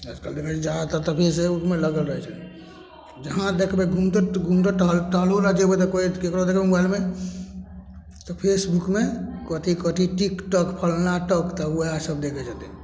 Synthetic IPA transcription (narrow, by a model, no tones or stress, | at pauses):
ad͡ʒkald̪ekʰɛt͡ʃʰd͡ʒat̪ɔt̪əpʰesebukmeləɡəlɾəɦɛt͡ʃʰɛ | d͡ʒəɦãd̪ekʰbeɡʱũmt̪ɡʱũmt̪əʈɦlʈəɦloɾad͡ʒebet̪ɔkoikekɾod̪ekʰbembajlme | t̪ɔpʰesbukmekət̪ʰikət̪ʰiʈikʈɔkpʰəlnaʈəkt̪ɔwəɦasəbd̪ekʰɛd͡ʒat̪ɛ